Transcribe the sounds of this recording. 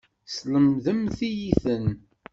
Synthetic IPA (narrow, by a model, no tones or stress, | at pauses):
sləmðəmθijiθən